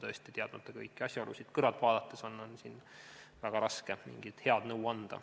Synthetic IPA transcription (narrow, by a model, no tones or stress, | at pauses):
t̪ɤːst̪it̪eɑd̪̥mɑt̪ːˑɑkɤjkːˑiɑsʲjɑolusid̪̥kɤɾɑt̪vɑːd̪̥ɑt̪ːˑeso̞nːo̞nsinvæɡ̥ɑɾɑske̞mḭŋɡ̥id̪̥he̞ɑd̪̥nɤwɑnd̪̥ɑ̰